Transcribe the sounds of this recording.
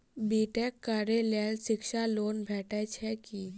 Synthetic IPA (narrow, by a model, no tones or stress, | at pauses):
biːʈɛkːaɾelelsɪkʃaloːnbʱɛːʈʰɛt͡ʃʰɛkiː